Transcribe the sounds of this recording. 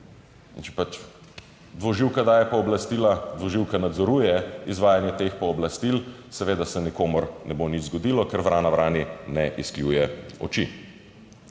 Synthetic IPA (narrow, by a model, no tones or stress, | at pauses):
int͡ʃɛ̥pat͡ʃ | d̪ʋɔʒiwkad̪aːjɛpɔɔblast̪iːlad̪ʋɔʒiwkanad̪zɔɾuːjɛizʋaːjanjɛt̪eːxpɔɔblast̪ilsɛʋeːd̪asɛnikoːmɔɾnɛbonid͡ʒzɡɔd̪ilɔkɛɾʋɾaːnaʋɾaːninɛʔisklʲjuːjɛɔ̰t͡ʃi